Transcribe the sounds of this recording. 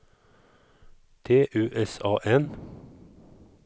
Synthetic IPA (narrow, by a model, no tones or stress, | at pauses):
t̪ʰeːʔʉːʔɛsɑːʔɛn